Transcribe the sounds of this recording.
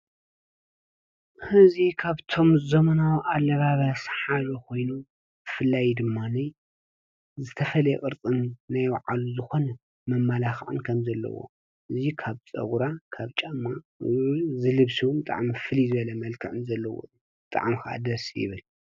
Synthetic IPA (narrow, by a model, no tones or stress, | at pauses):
hɨzikʰaβt̪ʰo̞mzomɐnawʔalːɐβaβasħaʒokʰo̞jnu | b̥ɨfɨlːajd̪ɨmːanɐj | zɨt̪ʰɐfɐlɐjḛkʼɨɾt͡sʼɨnːajwaʕaluzɨxo̞nɐ | mɐmːalaxʕɨ̰nkʰɐmzɐlːɐ̰wo̰ | ʔɨzikʰaβt͡sʼɐ̰ɡuɾakʰaβt͡ʃʼɐmːa̰ | jzɨlɨβsiwumbɨt̪ʼa̰ʕmifɨlizɨβɐlɐmɐlkʰɨʕɨnzɐlːɐwo̰ | bɨt̪ʼa̰ʕmixɨʔa̰d̪ɐsjɪ̰βɨl